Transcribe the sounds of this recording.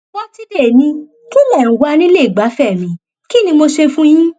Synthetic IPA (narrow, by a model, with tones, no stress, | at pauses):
wɔ˦ti˦˧de˦˨nĩ˧ | ki˦lɛ˦˨ɾ̃ũ˨wa˨˦˧nĩ˦le˦i˨ɡ͡ba˨˦fɛ˦˨mĩ˨˦ | ki˦nĩ˧mo˧ʃe˧fũ˦j̃ĩ˦